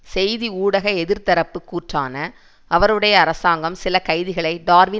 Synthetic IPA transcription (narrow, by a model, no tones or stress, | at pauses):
sɛjðiuːɽɐɣɐɛðɪɾt̪ɐɾɐpːɯkːuːʈra̰ːnɐ | ʔɐʋɐɾɯɽɐjɐːɾɐsaːŋɡɐmsɪlɐkɐɪðɪɣɐɭɐɪɖaːɾʋɪ